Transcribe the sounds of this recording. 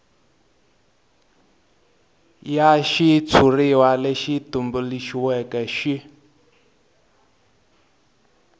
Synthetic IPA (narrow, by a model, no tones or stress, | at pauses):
jaʃit͡sʰuriwalɛʃitumbuliʃiwɛkɛʃi